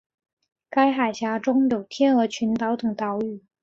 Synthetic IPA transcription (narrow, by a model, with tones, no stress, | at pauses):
ka˥ɪxa˨˩ɪɕja˧˥ʈ͡ʂʊ˥ŋjo˨˩ʊt̪ʰjɛ˥nɤ˧˥t͡ɕʰy˧˥nt̪ɑ˧˥ʊt̪ʊ˨˩ŋt̪ɑ˧˥ʊy˨˩˦